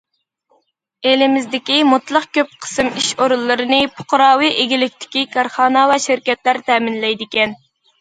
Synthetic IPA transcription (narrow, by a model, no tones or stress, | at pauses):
elɪmɪzd̪ɪkʲimʊt̪lˠəqkʲøp̚qʰə̥sɨmiʃoɾulˠːɨɾɨnɨpʰo̥qʊɾɑːwɨʔeɡʲilɪk̚ʲt̪ʰɪ̥kʲikʰɑɾχɑːnɑwɛʃɪɾkʲɛt̪læɾt̪ʰɛːmɪnlɛjd̪ɪkʲɛn